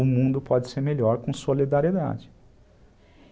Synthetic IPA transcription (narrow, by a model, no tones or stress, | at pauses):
ʊmũnd̪ʊpɔd͡ʒɪseɾmeʎɔɾkõsolid̪aɾied̪a̰d͡ʒɪ